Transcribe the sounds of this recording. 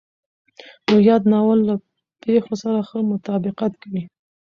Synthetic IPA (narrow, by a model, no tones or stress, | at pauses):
nojɑd̪nɑwəlːa | pexosaɾaxəmʊt̪ɑbɪqat̪kawi